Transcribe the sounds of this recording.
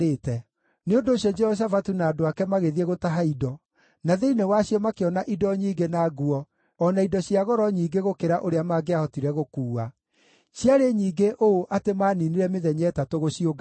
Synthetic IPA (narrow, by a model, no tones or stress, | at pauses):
etɛ | neondoːɕjɔd͡ʒɛhɔʃ̬afatunaːdoakɛmaɣeðieɣotaɦaidɔ | naðeinewaɕiɔmakeɔnaʔidɔɲiːɡenaːɡuɔː | naidɔɕiaɣɔɾɔɲiːɡeɣokeɾaʔoɾeamaːɡeahɔtiɾɛɣokuːa | ɕjaɾeɲiːɡeʔooʔatemaːniniɾɛmeðɛɲɛtatoɣoɕioɡa